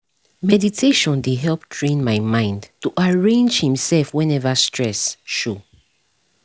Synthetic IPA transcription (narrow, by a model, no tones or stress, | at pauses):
mɛditʰeʃɔ̃ndeɦɛlp̚tʰɹẽnmaɪmãɪ̃ndtuʔaɹẽnd͡ʒhĩmsɛlfwɛ̃nɛvastɹɛsʃu